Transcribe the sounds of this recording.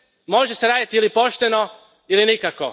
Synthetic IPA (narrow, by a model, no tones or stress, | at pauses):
mo̞ʒeseɾaːd̪at̪iilipo̞ʃt̪e̞no | ilinikako̞